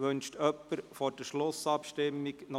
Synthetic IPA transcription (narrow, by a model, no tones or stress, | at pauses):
ʋɵnʃtʰœpːəɾfɔɾd̥əʃlʊsɑpʃtɪmːiknɔ